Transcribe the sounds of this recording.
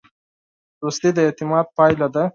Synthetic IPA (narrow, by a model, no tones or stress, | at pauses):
ɾust̪ed̪əɪt̪ɪmɑd̪̚pɑjlad̪a